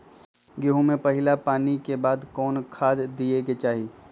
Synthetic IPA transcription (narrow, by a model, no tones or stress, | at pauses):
ɡɪɦõmẽpɐɦɪlapaːnikebaːd̪kɔːnkʰaːd̪d̪ieket͡ʃaːɦiː